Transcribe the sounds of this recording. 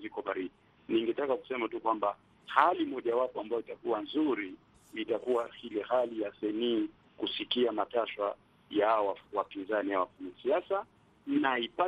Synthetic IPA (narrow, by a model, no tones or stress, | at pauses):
zikɔɓaɾiɗi | niŋɡɛtakaku̥sɛmatukwamba | halimɔʄawapɔambajɔitakuwanzuɾi | itakuwahilɛhalijasɛniː | kusikiamataʃwa | jawawapinzaniawafaɲasiasa | naipa